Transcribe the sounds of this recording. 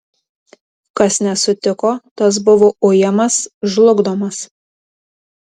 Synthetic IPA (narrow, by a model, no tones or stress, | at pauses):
kɐsnʲɛsʊt̪ʲɪkoːt̪ɐs̬bʊʋoʔojɛmɐsʒlˠʊɡd̪oːmɐs